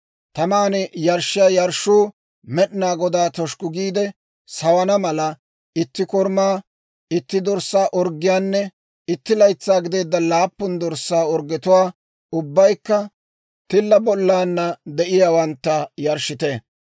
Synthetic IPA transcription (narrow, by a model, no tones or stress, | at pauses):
t̪ɐmaːnɛjɐɾʃɪjaːjɐɾʃuː | mɛɗɪnaːɡɔd̪aːt̪ɔʃkʊɡiːd̪ɛ | sɐwɐnɐmɐlɐ | ɪt̪ːɪkɔɾmaː | ɪt̪ːɪd̪ɔɾsːaːʔɔɾɡɪjaːnːɛ | ɪt̪ːɪlɐjt͡sːaːɡɪd̪e̞ːd̪ːɐlaːpːʊnd̪ɔɾsːaːɔɾɡɛt̪ʊwaː | ʊbːɐjkːɐ | t̪ɪlːɐbɔlːaːnːɐd̪ɛʔɪjaːwɐnt̪ːɐjɐɾʃɪt̪e